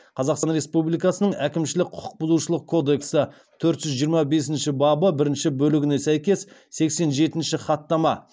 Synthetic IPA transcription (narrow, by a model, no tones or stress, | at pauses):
qʰɑzɑqsɑnɾe̞spublijkɑsənəɴækʲɪmʃɪlɪk̚ʲqʰʊ̥qʰʊ̥q̚bʊzuʃəlˠəq̚kʰo̞d̪e̞ksə | t̪ʰɵɾt̪ʒ̥ʏzʒijəɾmɑbe̞s̬ɪnʃɪbɑbəbɪɾɪnʃɪbɵlɪɡʲɪne̞sæjkʲe̞sse̞kse̞nʒe̞t̪ɪnʃɪχɑt̪ːɑmɑ